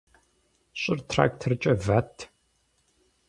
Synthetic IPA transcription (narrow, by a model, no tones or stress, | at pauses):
ɕʼɪrtʰra̰ːktʰɐrt͡ʃʼɐvatʰ